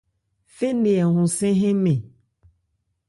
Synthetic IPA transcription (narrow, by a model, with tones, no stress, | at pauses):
fe˦nẽ˨ɛ˨ɦũ˨sɛ̃˦ɦɛ̃˦mẽ˨